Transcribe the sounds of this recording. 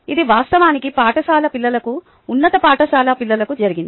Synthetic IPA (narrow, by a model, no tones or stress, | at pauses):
id̪iʋaːst̪ɐʋaːnikipaːʈɐsaːlɐpilːɐlɐkuː | nːɐt̪ɐpaːʈɐsaːlɐpilːɐlɐkud͡ʒɐɾiɡind̪i